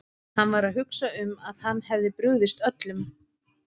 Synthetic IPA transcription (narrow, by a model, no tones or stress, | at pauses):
hanːvaɾaðɦʏksaʏmaðhanːhɛvðɪpɾʏɣðɪst̪œt̪lʏm